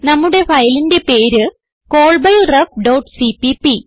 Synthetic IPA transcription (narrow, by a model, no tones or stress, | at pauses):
nɐmːuɽe̞fɐjlinde̞pe̞ːɾɨ | ko̞ːɭbɐjrɐfɖɐwʈsipipi